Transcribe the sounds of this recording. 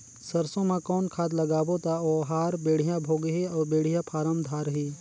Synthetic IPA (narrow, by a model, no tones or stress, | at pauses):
sɐɾsõmãkɔːnkʰaːt̪lɐɡaːbot̪aɔːɦaːɾbeːɽ̤ɪjãbʱoːɡɦiɔːbeːɽ̤ijãpʰaːɾəmd̪ʱaːɾɦiː